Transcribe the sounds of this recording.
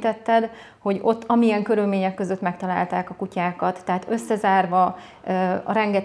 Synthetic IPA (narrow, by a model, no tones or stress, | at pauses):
t̪ɛt̪ːɛd̪ | ho̞ɟo̞t̪ːɒmijɛŋkø̞ɾylmeːɲɛkːøzøt̪mɛkt̪ɒla̰ːlt̪aːkɒkucaːkɒt̪ːɛɦaːt̪ø̞sːɛzaːrvɒ | ɒ̰ɾɛŋɡɛt̪